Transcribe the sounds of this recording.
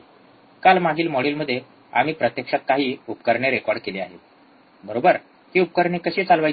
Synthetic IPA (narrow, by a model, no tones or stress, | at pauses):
kalmaɡʱiːlmoɽiːlməd̪ʱːje | a̰m̤iːpɾət̪jəkʂat̪̚kaɦiːupkəɾɳeɾekɔɾɖ̚kelea̰ɦe | bʱəɾobəɾ | t̪iːup̚kəɾɳekəɕiːt͡salʋa